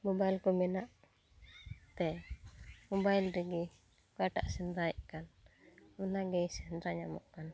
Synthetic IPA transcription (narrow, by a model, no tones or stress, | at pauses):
mɔbajlkɔmɛnaʔ | t̪ɛ | mɔbajlɾɛɡɛ | kaʈa̰ʔsɛnd̪ɾaɛʔkan | unaɡɛsɛnd̪ɾaɲamɔ̰ʔkan